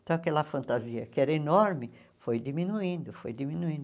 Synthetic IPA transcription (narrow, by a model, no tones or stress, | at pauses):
t̪ɐ̃w̃ɐkɛlɐfɐ̃nt̪aziɐkɪɛɾɐenoɾmɪfojd̪imĩnuĩnd̪ʊfojd̪imĩnuĩnd̪